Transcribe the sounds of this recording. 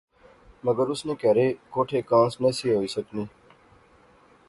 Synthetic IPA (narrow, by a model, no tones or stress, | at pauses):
məɡəɾʊsnẽːkeːɾeːkoːʈʰeːkãːnsneːsiːɦoːiːsəknĩː